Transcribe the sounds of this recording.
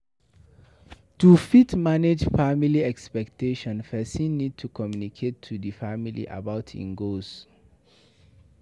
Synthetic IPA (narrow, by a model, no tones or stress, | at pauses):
tufitmaned͡ʒfamiliɛkspɛkteʃɔ̃nfɛsĩnːid̚tʰukʰɔmjunikʰetʰːudifamilḭʔa̰baʊtʰḭ̃nɡos